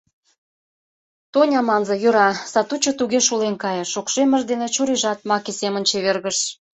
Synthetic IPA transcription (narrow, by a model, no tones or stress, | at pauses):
t̪onʲɑmɑnzɤ̆jøɾɑsɑt̪ut͡ɕŏt̪uɣeʃulenkɑjɤ̆ʃokʃemə̆ʒd̪enet͡ɕuɾeʒɑt̪̚mɑkesemənt͡ɕeβerɣəʃ